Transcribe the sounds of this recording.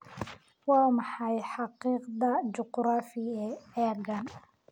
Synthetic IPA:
wɑːmɑħɑjħɑqiːqd̪ɐd͡ʒʊqɾaːfɪɛɛːrɡan

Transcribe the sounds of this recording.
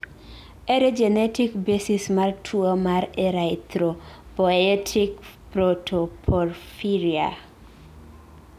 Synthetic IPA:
eɾed͡ʒɛnɛtikbesismartʰuomaɾeɾat̪ɾopɔɛtʰikpɾotʰopʰɔrfiɾia̰

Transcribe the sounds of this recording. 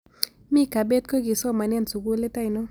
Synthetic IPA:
mikabet̪̚kʰoɡisɔmanent͡suɡulet̪ajno

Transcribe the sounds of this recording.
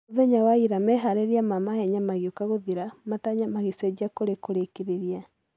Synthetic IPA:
oðɛɲawaiɾamɛɦaɾeɾiamamahɛɲamaɣjokaɣoðiɾamataɲamaɣesɛd͡ʒiakoɾekoɾekeɾeɾia

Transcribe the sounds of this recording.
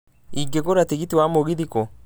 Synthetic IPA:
iɡeɡoɾat̪iɡit̪iwamoɡid̪iko

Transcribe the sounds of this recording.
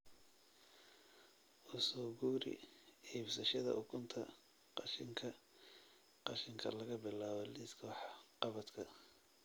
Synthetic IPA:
ʔʊsɔːɡuːɾɪ̰ɛbsɐʃɐðɐ̰ʔʊkʰʊnt̪ʰɐ̰ | qɑʃɪŋkʰɐ | qɑʃɪŋkʰɐ̰lɐɣɐbɪlaːβɔliskʰɔːħɑ̥qɑβɐt̪kʰɐ

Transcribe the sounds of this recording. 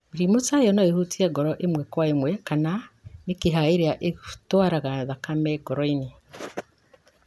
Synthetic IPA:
mɾimosajɔnaehutiɛɡɔɾɔʔemwɛkwaemwɛkananekeɦaeɾeaʔeɣtwaɾaɣaðakamɛɡɔɾɔene

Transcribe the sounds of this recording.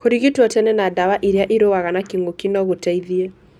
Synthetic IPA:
koɾiɣitwɔtɛnɛnadawaʔiɾeaʔiɾowaɣanakiŋɡokinɔɣotaiðiɛ

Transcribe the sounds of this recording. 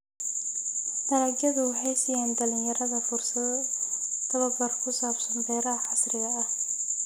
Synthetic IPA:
nɐɾɐɡjɐðʊɦɛjsɐjaːnd̪ɐlɪnjɐɾɐðɐfʊrsɐð | t̪ʰɐβɐbɐrkʰʊsaːbsɐnbɛːɾɐɦɐħɑsrɪɣɐːh

